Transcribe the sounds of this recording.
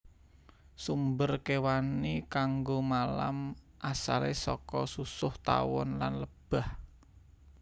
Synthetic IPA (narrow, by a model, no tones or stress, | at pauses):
sumbərkewanikaŋɡomala̰m | ʔasalesɔkɔsusʊht̪a̰wɔ̰nlanləb̥a̤h